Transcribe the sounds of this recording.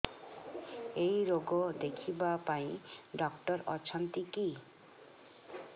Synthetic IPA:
ejɾoɡɔd̪ekʰibapaĩɖɔkʈɔɾɔt͡ʃʰɔnt̪iki

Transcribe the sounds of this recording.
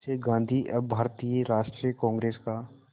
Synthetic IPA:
seɡãːnd̪ʱiʔɐbbʱaːɾt̪iːjəɾaːʃʈɾijəkɔ̃ːŋɡɾeːska

